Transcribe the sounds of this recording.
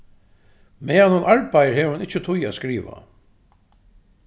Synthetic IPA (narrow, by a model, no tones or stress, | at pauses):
mɛːanhʊnʔaɹpajəɹɦɛːʋəhʊnɪt͡ʃːət̪ʰʊjaːskɾiːʋa̰